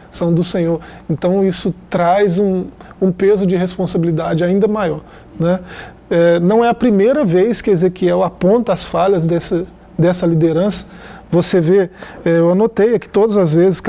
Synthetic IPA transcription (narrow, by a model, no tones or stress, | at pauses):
sɐ̃w̃d̪ʊsẽɲoɾẽnt̪ɐ̃w̃isʊt̪ɾajzũũpezʊd͡ʒɪɦespõsabilid̪ad͡ʒɪaĩnd̪ɐmajɔɾ | nɛ | ɛnɐ̃w̃ɛɐpɾimejɾɐvejskɪezekiɛwapõnt̪ɐasfaʎɐzd̪ɛsɐ | d̪ɛsɐlid̪eɾɐ̃sɐ̥voseveɛewanot̪ejɐkɪ̥t̪od̪ɐzɐzvezɪsk